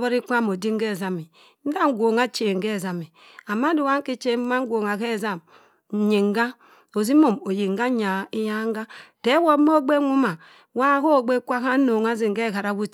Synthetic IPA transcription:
bo˦ɾi˦ka˦˨mo˨di˦ŋ˦ɡe˦˨za˨mi˨˦ | n̩˦da˦ŋ˦ɡʷo˨ŋa˦t͡ʃe˨ŋ̩˨ɡe˦˨za˨mi˨ | a˨ma˦du˨wa˦ki˦t͡ʃe˦ma˦ŋ˦ɡʷo˨ŋa˨ke˦˨za˦˨m˨ | ɲe˨ŋ˦ɡa˦ | o˨zi˦mo˦˨mo˨ji˨ŋ˦ɡa˦ɲa˨i˦ja˦ŋ˦ɡa˦te˦wo˦mo˦ɡ͡be˦ŋu˦ma˨ | wa˦ko˦˨ɡ͡be˦kʷa˦ka˦no˨ŋa˦zi˨ŋ˨ɡe˦˨ka˨ɾa˦wu˦t͡ʃ

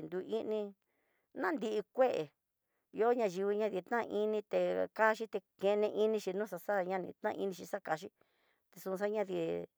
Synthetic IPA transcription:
nd̪u˧ʔi˦nĩ˧ | nã˦nd̪i˧ʔi˧kʷe˦ʔe˨˧ | o˦ɲã˧ʒi˧βi˧ɲã˧ði˧t̪nã˦˧ʔi˦nĩ˧t̪e˧ka˦ʃi˦t̪e˧kẽ˧nẽ˧ʔi˦nĩ˧ʃi˧nũː˦sa˧sa˦ɲã˦˧nḭ̃˧t̪nã˦˧i˧nĩ˧ʃi˧sa˦˧ka˧ʃi˦ | t̪e˧su˧s̬a˦ɲã˦˧ði˧˨

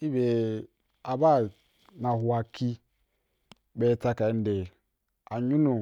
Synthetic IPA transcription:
i˦be˨ | a˨ba˦˨ | na˨hu˨a˨ki˦ | be˦ta˦ka˨n̩˦˨de˨ | a˨ɲu˦nu˨

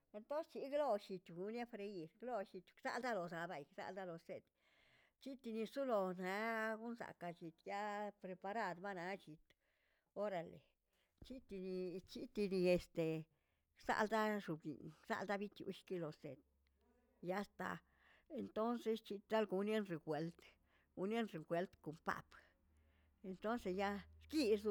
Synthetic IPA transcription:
e˧nt̪o˦nst͡ʃi˧˦ɡlo˦ʃi˧t̪ɡu˧nje˦fɾe˧i˧ɾɡlo˦˧ʃi˧t̪ʲksa̰˦ld̪a˦lo˨sa˨˧ba˧jksa̰˧ld̪a˦lo˨se˧d̪ | t͡ʃi˦t̪i˧ni˧su˦lo˧na˧˦ɡu˦nsa̰˨ka˧t͡ʃi˨t̪ja˦pɾe˧pa˧ɾa˦d̪ba˦na˨˧t͡ʃi˨t̪ | o˦ɾa˧lḛ˨ | t͡ʃi˦t̪i˧ni˧t͡ʃi˦t̪i˧ni˧e˨st̪e˨ | sa̰˧ld̪a˦ʂu˨bɡḭ˨nsa̰˧ld̪a˦bi˦t̪jṵ˧ʃki˦lo˨sḛ˨t̪̚ | ja˦st̪a̰˨ | e˨nt̪o˦nse˧st͡ʃi˧t̪ɾa˦lɡu˧nje˦nɾe˨kwe˨˦lt̪ | ɡu˦nje˦nʐe˨ŋkwe˨˧lt̪ko˨mpa̰˨p | e˧nt̪o˦nse˧sja˦ɾki˦su˧˦

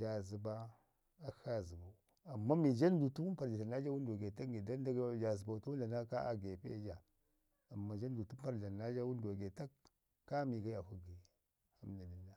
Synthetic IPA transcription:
d͡ʒa˨zi˨ba˦ | a˦xa˦zi˨ba˨ | a˨mːa˦mi˨d͡ʒa˦n˦du˨tu˦pa˨ɾa˨a˨na˦d͡ʒa˦wu˦n˦do˨ɡe˨ta˦ŋɡe˨da˦n˦da˦ɡd͡ʒa˨zi˨ba˨u˨tu˦wu˦nda˨na˦ka˦ʔa̰˦ɡe˨pḛ˦d͡ʒa˨ | a˨mːa˨d͡ʒa˦n˦du˨tu˦m˦pa˦ɾa˨na˦d͡ʒa˦wu˦n˦do˨ɡe˨ta˦kː | a˦mi˨ɡa˦ja˨hu˦ɡi˨ | ha˦mda˨mi˦nːa˨

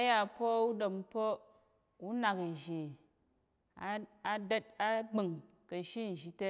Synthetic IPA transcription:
a˦ja˦˨po˦u˦do˨m˦po˦ | u˦na˨ki˨ʒe˨ | a˦a˨də˦t̚a˦ɡ͡bi˨ŋ | kɐ˨ʃi˦n̩˨ʒi˦te˦

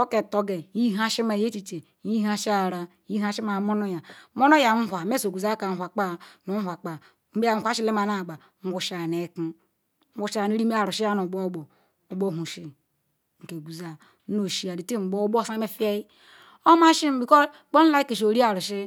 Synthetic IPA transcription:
o˦ke˨to˦ɡe˨ji˦ɦa˦ʃi˦ma˨je˦t͡ʃi˨t͡ʃe˨ | ji˦ɦa˦ʃi˦a˨ɾa˨˦i˦ɦa˦ʃi˦ma˨mo˦no˦ja˨mo˦no˦ja˨n̩˦ɦʷa˨me˦so˨ɡu˨za˦ka˨n̩ʷ˨a˨k͡pa˦nu˨˦hʷa˨k͡pa˨ | m̩˦ba˨˦a˦ʃi˦le˦ma˨na˨ɡ͡ba˨ | ŋ̩˦ɡʷu˨ʃa˨ne˨˦ki˦ | ŋ̩˦ɡʷu˦ʃa˨ne˦ɾi˦e˦a˨ɾu˨ʃi˦ja˦nu˨ɡ͡bo˦bo˨ | o˨bo˦˨ɦu˨ʃi˦ | ŋ̩˨ke˨ɡu˨za˨˦ | no˨ʃi˦a˨di˨te˦m̩˨ɡ͡bo˦bo˦˨sa˦me˦fi˦e˦i˦ | o˦ma˦ʃi˦m̩˦bi˨kɔ˦˨k͡po˦n̩˦la˦i˦ki˨ʃ̬o˨ɾi˦a˨ɾu˨ʃi˦

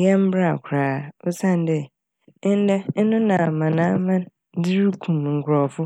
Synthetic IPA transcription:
jɛ˦m̩˦bɾa˦˨kʷʰɾaː˨o˦sã˦˨n̩˦dɪ˦˨˦ | n̩˦dɛ˦n̩˦nʊ̃˦nã˨a˨mã˨nã˦mã˦n˦dɪ˦ɾu˦kʰũ˨m˨ŋ̩˨kʰʷɾɔ˨fʊ˦

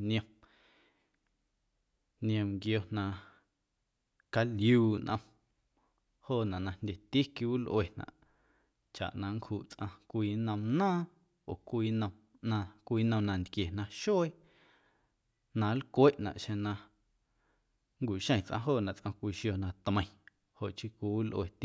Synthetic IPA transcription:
nj̃ə̃˧ | ñ˧õ˧mɡjo˧nã˧ | ka˧ljuː˨ʔnʔə̃˧ | hoː˦˨nã˨nã˧ndʲe˧t̪i˦ki˧˦wu˦lʔwe˨nã̰˨ʔ | t͡ʃa̰˨ʔnã˧ŋkhuː˧˨ʔt͡sʔã˧kʷiː˧nə̃˧mnãː˦˨ | o˨kʷiː˧nə̃˧m | nã˧kʷiː˧nə̃˧nã˧nd̪kje˨nã˧ʃo˦ | nã˧˦lkʷe˦ʔnã̰˨ʔʃẽ˧nã˧ | ŋkʷi˨ʃə̃˦˧ĩ˨t͡sʔã̰˧ɦoː˦˨nã˨ʔt͡sʔã˧kʷiː˧˨ʃjo˧˨nã˧t̪mə̃˧˨j̃ | ho˨ʔt͡ʃi˦kʷi˧wu˦lʔwe˨t̪i˦

